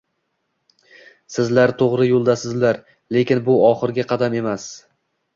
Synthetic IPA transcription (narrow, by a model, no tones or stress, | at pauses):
sɪzlaɾt̪ʰoʁɾɪjolˠd̪asɪzlaɾ | le̞kʲɪnbʊɒχɨɾɡʲaqʰɑd̪ame̞mas